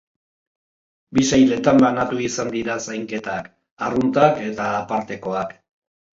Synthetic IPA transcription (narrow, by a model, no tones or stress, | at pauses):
bisajle̞t̪ambanat̪uisand̪iɾasajŋke̞t̪ak | arunt̪ake̞t̪aːpaɾt̪e̞ko̞ak